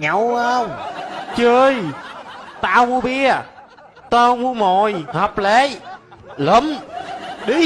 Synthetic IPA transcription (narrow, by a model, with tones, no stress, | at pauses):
ɲə˨˩wa˧wŋ͡mt͡ɕəː˧j | t̪aː˧wmu˧ɓi˧ə | t̪aː˧wmu˧mɔ˨˩jha˨˩p̚le˨˩˦ | lə˨˦m | ɗi˨˦